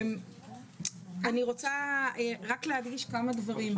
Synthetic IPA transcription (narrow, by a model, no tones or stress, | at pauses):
m | aniʁo̞t͡saeʁaklehad̪ɡiʃkamad̪vaʁim